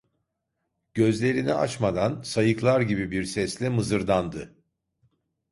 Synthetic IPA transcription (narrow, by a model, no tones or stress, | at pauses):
ɟ̥ø̞zlʲe̞ɾinia̰t͡ʃmad̪ansajɯklˠaɾɟibibiɾsɛslʲɛmɯzɯɾd̪and̪ɯ